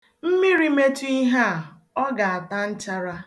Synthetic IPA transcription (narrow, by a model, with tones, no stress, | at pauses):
m̩˦mi˦ɾi˦me˦tu˦i˦ɦa˦a˨ | ɔ˦ɡa˨a˨ta˦n̩˦t͡ʃa˦ɾa˦